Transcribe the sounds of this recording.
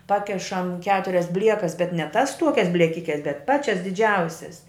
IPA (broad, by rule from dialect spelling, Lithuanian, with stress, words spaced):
ˈpɑːkʲɛʃɐm ˈkʲæːtʊrʲɛs ˈbʲlʲiɛkɐs bʲɛt nʲɛ tɐs ˈtuɔkʲɛs bʲlʲiɛˈkʲɪkʲɛs bʲɛt ˈpɑːt͡ʃʲɛs dʲɪˈd͡ʒʲɛʊsʲɛs